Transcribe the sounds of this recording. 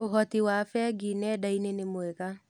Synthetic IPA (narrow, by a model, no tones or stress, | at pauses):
oɦɔtiwafɛɡinɛdainenemoɛɣa